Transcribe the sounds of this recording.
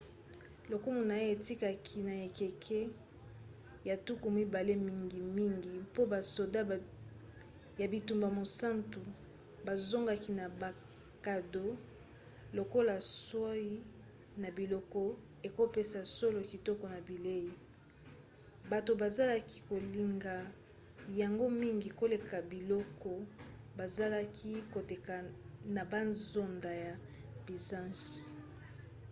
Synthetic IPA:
lo˨ku˦mu˨na˨e˦e˨ti˦ka˨kʰi˨na˨e˨ke˨kʰe˦ | ja˨tu˦ku˨mi˦ba˨le˦mi˦ŋɡi˨mi˦ŋɡi˨po˦ba˨so˨da˦ | ja˨bi˨tu˨mba˨mo˨sa˦ntu˨ | ba˨zo˦ŋɡa˨ki˨na˨ba˨ | ka˨do˦ | lo˨ko˦la˨swa˦i˦ | na˨bi˨lɔ˦kɔ˦ | e˨ko˦pe˦sa˨so˦lo˨ki˨tɔ˦kɔ˨na˨bi˨le˦ji˨ | ba˨to˨ba˨za˦la˦ki˦ko˨li˨ŋɡa˨ | ja˨ŋɡo˦mi˦ŋɡi˨ko˦le˨ka˨bi˨lɔ˦kɔ˦ba˨za˦la˦kʰi˦ko˨te˨ka˨na˨ba˦nzo˦nda˨ja˨ | bi˨zã˦nʃi˨

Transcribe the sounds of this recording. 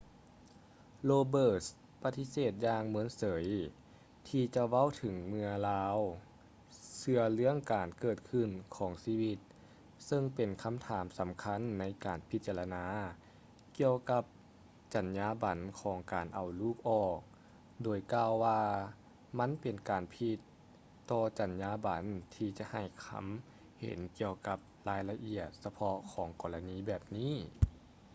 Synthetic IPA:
loː˧bɤː˧˩s | pa˧˥t̪i˧˥seː˧˨˩t̪̚jaː˧ŋmɯ˧˦ənsɤː˩˦j | t̪ʰiː˧t͡ɕa˧wa˧˥˨wt̪ʰɯ˨˩˦ŋmɯ˧ɐlaː˧˥w | sɯ˧ɐlɯ˧˥əŋkaː˨˩nkɤː˧˩t̪̚kʰɯ˧˩˨nkʰɔː˩˦ŋsiː˧˩wi˧t̪̚ | sɤ˧ŋpe˨˩nkʰa˧˥mt̪ʰaː˩˦msa˨˩˦mkʰa˧˥˨nːa˧˥jkaː˨˩npʰi˧˦t̪̚t͡ɕa˧˨la˧naː˧˥ | ki˧əwka˧˥p̚ | t͡ɕa˨˩njaː˧˥ba˨˩˦nkʰɔː˩˦ŋkaː˨˩nʔa˨˩wluː˧˥˩k̚ʔɔː˧˩k̚ | doː˨˩jkaː˧wːaː˧ | ma˧˥˨npe˨˩nkaː˨npʰi˧t̪ː | ɔː˧t͡ɕa˨˩njaː˧˥ba˨˦nt̪ʰiː˧t͡ɕa˧ha˧˨˩jkʰa̰˧˥m | hḛ˨˩˦nki˧əwka˧˦p̚laː˧˥jla˧ʔi˧˩ət̪̚sa˧pʰɔ˧kʰɔː˨˩˦ŋkɔː˨˩la˧niː˧˥bɛː˨˩p̚niː˥˨

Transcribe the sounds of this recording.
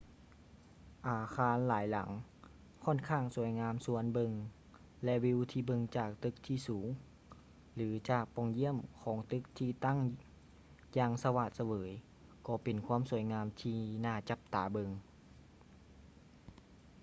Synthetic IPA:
ʔaː˨˩xʰaː˧nlaː˩˦jla̰˩˦ŋ | kʰɔː˧˥˨nkʰaː˧˥˩ŋsu˨˩˦ə˦jŋaː˧˥msu˧˩˦ənbɤ˧ŋ | lɛ˧wi˧wt̪ʰiː˧bɤ˧ŋt͡ɕaː˧˨˩k̚t̪ɯ˧˥k̚t̪ʰiː˧˩suː˩˦ŋ | lɯː˩˦t͡ɕaː˨˩k̚pɔ˧˩ŋji˧˥˨əmkʰɔː˨˦ŋt̪ɯ˧˥k̚t̪ʰiː˧t̪a˥˨ŋ | jaː˧ŋsa˧wa˧˩t̪̚sa˧wɤː˩˦j | kɔː˧˩pe˨˩nkʰwu˧˥˨msu˨˩˦əjŋaː˧mt̪ʰiː˧˩naː˧˩t͡ɕa˧˦p̚t̪aː˨˩˦bɤ˧ŋ

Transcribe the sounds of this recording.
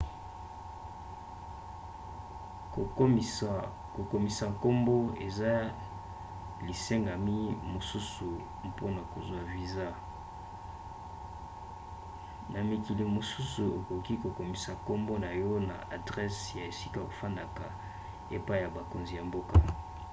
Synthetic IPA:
ko˨ko˨mi˨sa˨ko˦mbo˦ḛ˨za˦ | li˨se˦ŋɡa˨mi˦mo˨su˦su˨ | po˦na˨ko˨zwa˨vi˨za˦ | na˨mi˨ki˨li˨mo˨su˦su˨e˨ko˨ki˦ko˨ko˨mi˨sa˨ko˦mbo˦na˨jo˦na̰˨ʔa˨dʁɛ˦sja˨e˨si˦ka˦˨o˨fa˦nda˨ka˨ | e˨pa˦i˨ja˨ba˨ko˨nzi˨ja˨mbo˦ka˦

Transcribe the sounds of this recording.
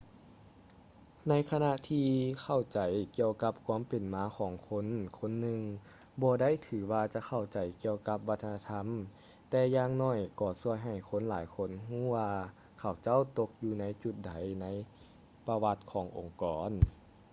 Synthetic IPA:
na˧˥jkʰa˧na˧ʔt̪ʰiː˧kʰa˧˩wt͡ɕa˨˩˦jki˧əwka˧˦p̚kʰwaː˧˥˨mpe˨˩nmaː˧˥kʰɔː˨˩˦ŋkʰo˧˥˨nkʰo˧˥˨nːɯ˧ŋ | bɔː˧da˥˩˨jt̪ʰɯː˨˩˦waː˧t͡ɕa˧˦kʰa˧˩wt͡ɕa˨˩jki˧əwka˧˦p̚ʋa˧˥t̪ʰːa˧na˧t̪ʰa˧˥˨m | t̪ɛː˧jaː˧ŋnɔː˧˩jkɔː˧˩su˧˩əjɦa˨˩jkʰo˧˥˨nlaː˨˦jkʰo˧˥˨nɦuː˥˩˨waː˧ | kʰa˨˩wt͡ɕa˥˨wt̪o˧k̚juː˧na˧˥˨jt͡ɕu˧˦t̪̚da˨˦jna˧˥j | pa˧wa˧t̪̚kʰɔː˨˩˦ŋʔo˨˩ŋkɔː˩˦n

